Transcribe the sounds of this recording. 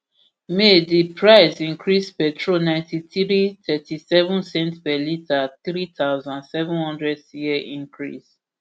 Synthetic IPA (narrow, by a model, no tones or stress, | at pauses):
medipʰɹaɪsĩŋkɹispɛtʰɹonãɪ̃ntitɹit̪ʰɛtʰisɛvũnsɛ̃ntpɛlitaθɹit̪ʰawzãnsɛvɛ̃nhɔ̃ndɹɛdjiɛʔĩŋkʰɹḭs